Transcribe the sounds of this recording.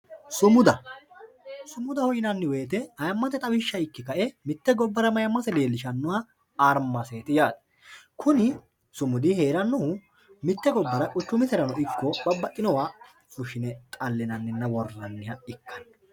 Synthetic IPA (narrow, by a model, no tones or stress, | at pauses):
sʊmʊd̪ɐ | sʊmʊd̪ɐhɔjɪnɐnːɪwe̞ːt̪ɛɐjɐmːɐt̪ɛt̪ʼɐwɪʃːɐɪkːɪkɐʔɛmɪt̪ːɛɡɔbːɐɾɐmɐjɐmːɐsɛle̞ːlːɪʃɐnːɔwɐ | aːɾmːɐse̞ːt̪ɪjaːd̪ɐ̥ | kʰʊnɪ | sʊmʊd̪ɪhe̞ːɾɐnːɔhʊ | mɪt̪ːɛɡɔbːɐɾɐkʼʊt͡ʃːʊmɪt̪ɛɾɐnɔʔɪkːɔbɐbːɐʔʼːɪnɔwaː | sʊʃɪnɛt̪ʼɐlːɪnɐnːɪnːɐwɔrɐnːɪhɐɪkʰːɐ̥n